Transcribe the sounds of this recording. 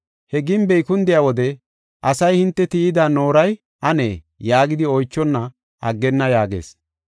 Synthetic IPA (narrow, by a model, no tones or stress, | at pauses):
hɛɡɪnbɛjkʊnd̪ɪjaːwɔd̪ɛ | ʔɐsɐjhɪnt̪ːɛt̪ɪɪd̪aːno̞ːɾɐj | ʔɐnḛː | jaːɡɪd̪ɪɔjt͡ʃːɔnːɐ | ʔɐɡːɛnːɐjaːɡḛːs